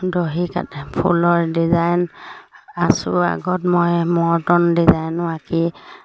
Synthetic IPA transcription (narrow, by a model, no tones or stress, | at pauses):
doɦika̰tpʰṵlɔɹdizajn | asʊa̰ɡɔtmɔjmɔɹtɔndizajnʊaki